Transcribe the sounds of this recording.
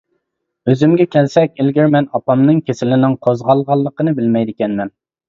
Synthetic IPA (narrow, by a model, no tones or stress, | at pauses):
øzymɡʲɛkʲɛlsɛkʲɪlɡʲɪɾmɛnɑpɑmnɨŋkʲʰesɪlɪnɪŋqʰozʁɑlˠʁɑlˠːəqənɨbɪlmɛjd̪ɪkʲɛnmɛn